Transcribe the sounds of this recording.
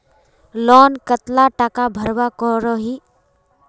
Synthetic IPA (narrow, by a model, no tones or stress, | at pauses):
lɔːnkət̪laʈakabʱəɾwakɔɾɔɦi